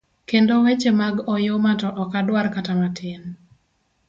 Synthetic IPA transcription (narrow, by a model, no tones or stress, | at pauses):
kendowet͡ʃemaɡɔjomatɔʔɔkadwarkatamatʰɪn